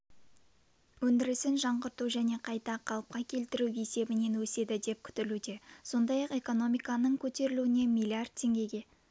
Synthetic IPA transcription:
wɵnd̪ɪɾɪsɪnʒɑɴʁəɾt̪uʒæne̞qʰɑjt̪ɑqʰɑlˠəp̚qɑkʲʰe̞lt̪ɪɾuwe̞se̞bɪne̞nwɵse̞d̪ɪd̪e̞p̚kʲʰʏ̥t̪ɪlud̪e̞so̞nd̪ɑjɑqe̞ko̞no̞mijkɑnəɴkʲʰɵt̪e̞ɾɪluɪne̞milʲˠiard̪̚t̪ʰːe̞ŋɡʲe̞ɡʲe̞

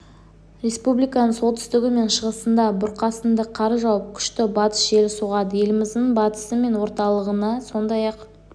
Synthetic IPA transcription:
ɾʲe̞spublijkɑnəɴsot̪ʰʏ̥st̪ɪɡʲɪme̞nʃəʁəsənd̪ɑbʊɾqɑsənd̪əqʰɑɾəʒɑwəp̚kʲʰʏ̥ʃt̪ɪbɑt̪ə̥sʒe̞lɪsuʁɑd̪əje̞lɪmɪzd̪ɪɴbɑt̪ə̥səme̞nwo̞ɾt̪ɑlˠəʁənɑso̞nd̪ɑjɑq

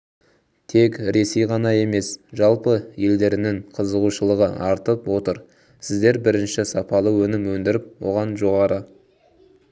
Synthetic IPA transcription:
t̪ʰe̞kɾe̞se̞jʁɑnɑe̞me̞sʒɑlˠpəje̞ld̪e̞ɾɪnɪŋqʰəzəʁuʃəlˠəʁəʔɑɾt̪əpwo̞t̪əɾ | sɪzd̪e̞ɾbɪɾɪnʃɪsɑpɑlˠəwɵnɪmwɵnd̪ɪɾɪp̚wo̞̰ʁɑnʒo̞ʁɑɾə

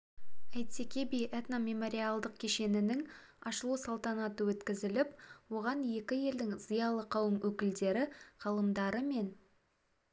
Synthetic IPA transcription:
æjt̪sekʲebijʔet̪name̞mo̞ɾʲialˠd̪əq̚kʲʰe̞ʃe̞nɪnɪŋ | ɑ̰ʃəlˠusɑlˠt̪ɑnɑt̪əwɵt̪kʲɪzɪlɪpwo̞ʁɑnje̞kʲɪje̞ld̪ɪŋz̥ijɑlˠəqʰɑwəmwɵkʲɪld̪e̞ɾɪqʰɑlˠəmd̪ɑɾəme̞n

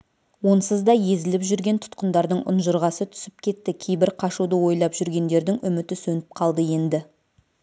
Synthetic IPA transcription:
wo̞nsəzd̪ɑje̞zɪlɪpʒʏɾɡʲe̞nt̪ʰʊ̥t̪qənd̪ɑɾd̪əɴʔʊ̰nʒəɾʁɑsət̪ʰʏ̥sɪp̚kʲʰe̞t̪ːɪkʲʰe̞jbɪɾqʰɑʃud̪əwo̞jlˠɑpʒʏɾɡʲe̞nd̪e̞ɾd̪ɪŋʔʏmɪt̪ɪsɵnɪp̚qʰɑlˠd̪əje̞nd̪ɪ

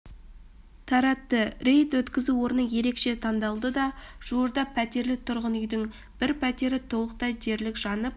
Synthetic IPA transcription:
t̪ʰɑɾɑt̪ːəɾejt̪wɵt̪kʲɪzuwo̞ɾnəje̞ɾe̞kʃe̞t̪ʰɑnd̪ɑlˠd̪əd̪ɑʒ̥uwəɾd̪ɑpʰæt̪e̞ɾlɪt̪ʰʊɾʁənʏjd̪ɪŋ | b̥ɪɾpʰæt̪e̞ɾɪt̪ʰo̞lˠəq̚t̪ɑjʒe̞ɾlɪkʒ̥ɑnəp̚

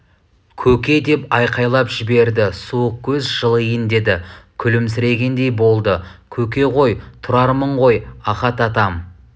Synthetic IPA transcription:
kʲʰɵkʲe̞d̪e̞pɑjqɑjlˠɑpʒɪbe̞ɾd̪ɪsuəq̚kʲʰɵzʒəlˠəjənd̪e̞d̪ɪkʲʰʏlɪms̬ɪɾe̞ɡʲe̞nd̪e̞jbo̞lˠd̪əkʲʰɵk̬ʲe̞ʁo̞jt̪ʰʊɾɑɾməɴʁo̞jɑχɑt̪ɑt̪ɑm

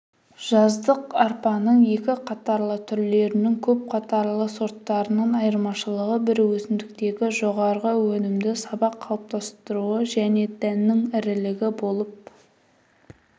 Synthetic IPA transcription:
ʒ̥ɑzd̪əqɑɾpɑnəɴje̞kʲɪqʰɑt̪ɑɾlˠət̪ʰʏɾle̞ɾɪnɪŋkʲʰɵp̚qʰɑt̪ɑɾlˠəso̞ɾt̪ːɑɾənəɴɑjəɾmɑʃəlˠəʁəbɪɾwɵzɪmd̪ɪk̚t̪e̞ɡʲɪʒo̞ʁɑɾʁəwɵnɪmd̪ɪsɑbɑqʰːɑlˠəp̚t̪ɑst̪əɾuəʒæne̞d̪̥ænːɪŋɪɾɪlɪɡʲɪbo̞lˠəp̚

